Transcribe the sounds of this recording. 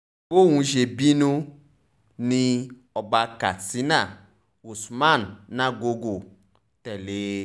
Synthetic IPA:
wo˦wũ˧ʒe˨bi˦nũ˦ | nĩ˧ | ɔ˨ba˧ka˨ti˨˦na˦˨ | u˨sma˦˨nːã˦ɡo˧ɡo˨ | tɛ˨le˨˦

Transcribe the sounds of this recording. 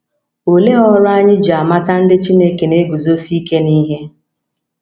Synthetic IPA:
o˨le˦ɔ˦ɾʊ˦a˦ɲɪ˦d͡ʒa˨ma˦ta˦n̩˦dɪ˦t͡ʃi˦ne˦ke˨ne˦ɡu˨zo˦si˦ke˦ni˦ɦe˦

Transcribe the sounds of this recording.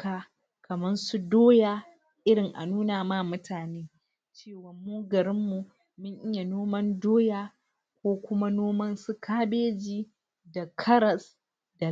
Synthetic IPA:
kaː˨ | kɐ˨mɐ˦nsu˦doː˦ja˨ | ʔɪ˦ɽɪ˨ŋʔa̰˨nuː˦naː˨ma˦mʊ˦tʰaː˨neː˦ | t͡ʃeː˦˨wɐ˨mːuː˦ɡɐ˨ɾɪ˦mːu˨ | mʊ˦ɲʔɪ˦ja˨noː˦mɐ˦ndoː˦jaː˦ | kʷoː˦kʷʊ˦ma˦noː˦mɐ˦nsu˦kʰaː˦beː˦d͡ʒiː˦ | da˨kʰɐ˦ɾɐ˨s | da˨

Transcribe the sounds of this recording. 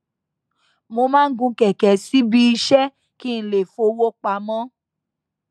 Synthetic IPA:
mo˧mãː˦n̩˦ɡũ˧kɛ˨kɛ˨˦si˦bi˦i˧ʃɛ˦ | ki˦n̩˨le˨fo˧wo˦k͡pa˨mɔ̃˦

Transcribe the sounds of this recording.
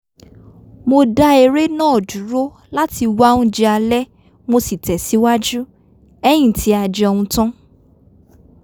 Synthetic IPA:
mo˧da˦e˧ɾe˦nã˦ɔ˨du˨˦ɾo˦ | la˦ti˧wã˦ũ˦d͡ʒɛ˧a˧lɛ˦ | mo˧si˨tɛ˨si˨˦wa˦d͡ʒu˦ | ɛ˦j̃ĩ˦˨ti˨˦a˧d͡ʒɛ˧ɔ˧wũ˧tã˦

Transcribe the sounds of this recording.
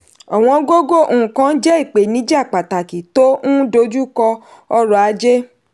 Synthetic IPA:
a˨w̃ɔ̃˧ɡo˦ɡo˦˨ʔũ˨ũ˨kã˦n̩˦d͡ʒɛ˦i˦˨k͡pe˨nĩ˨˦d͡ʒa˦˨k͡pa˨ta˨ki˨to˦ũ˦do˧˦d͡ʒu˦kɔ˧ | ɔ˧ɾɔ˨a˨˧˦d͡ʒe˦

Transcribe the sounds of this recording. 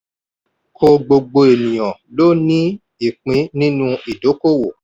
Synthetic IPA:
kʰo˧ɡ͡bo˧ɡ͡bo˧e˨nĩ˨j̃ã˨lo˦nĩ˦ | i˨k͡pĩ˨˦nĩ˦nũ˦i˨do˨˦ko˦˨wo˨

